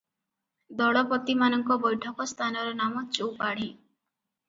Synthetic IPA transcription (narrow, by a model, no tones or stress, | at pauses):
d̪ɔɽɔpɔt̪imanɔŋkɔbɔjʈʰɔkɔst̪ʰanɔɾɔnamɔt͡ʃowpaɽ̤i